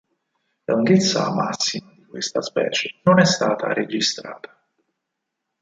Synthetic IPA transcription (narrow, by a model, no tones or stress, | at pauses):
luŋɡet̪sːama̰sːimad̪ikwest̪aspɛ̰ːt͡ʃenonɛst̪aːt̪a̰ɾed͡ʒist̪ɾa̰ːt̪ḁ